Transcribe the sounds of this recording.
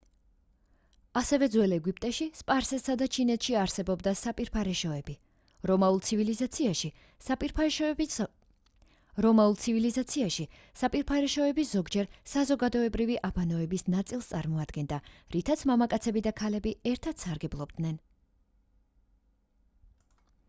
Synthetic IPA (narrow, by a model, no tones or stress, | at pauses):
asɛvɛd̪zwɛlɛɡip̚ʼt̪ʼɛʃispʼaɾsɛsad̪at͡ʃʰinɛt̪ʰʃiaɾsɛbɔbd̪asapʼiɾpʰaɾɛʃɔɛbi | ɾɔmaulˠt̪sʰivilizat̪sʰiaʃi | sapʼiɾpʰ | ɾɔmaulˠt̪sʰivilizat̪sʰiaʃi | sapʼiɾpʰaɾɛʃɔɛbisz̥ɔɡd͡ʒɛɾsazɔɡad̪ɔɛbɾiviʔabanɔɛbisnat̪sʼilˠst̪sʼaɾmɔad̪̥ɡɛnd̪aɾit̪ʰat̪sʰmamakʼat̪sʰɛbid̪akʰalɛbiɛɾt̪ʰat̪saɾɡɛblˠɔbd̪̥nɛn